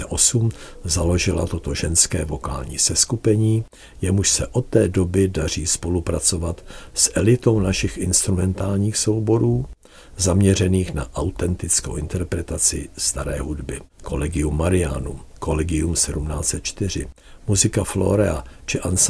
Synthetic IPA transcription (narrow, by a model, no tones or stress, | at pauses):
ɛʔosumzalo̞ʒɪla̰t̪o̞t̪o̞ʒɛnskɛːvo̞ka̰ːlɲḭːsɛskupɛɲiː | jɛmuʃsɛʔo̞t̪ːɛːdo̞bɪdar̝iːspo̞lupɾat͡so̞vat̪sʔɛlɪt̪o̞wnaʃɪxʔɪnst̪ɾumɛnt̪aːlɲiːxso̞wbo̞ɾuː | zamɲɛr̝ɛniːxnaʔawt̪ɛnt̪ɪt͡skowʔɪnt̪ɛɾpɾɛt̪at͡sɪ̰st̪aɾɛ̰ːɦudbɪkʰo̞̰lɛɡɪumːaɾɪa̰nṵko̞lɛɡɪumsɛdumna̰ːt͡sɛt̪̚t͡ʃt̪ɪr̝ɪ̰ | muzɪkaflo̞̰ɾɛa̰t͡ʃɪʔans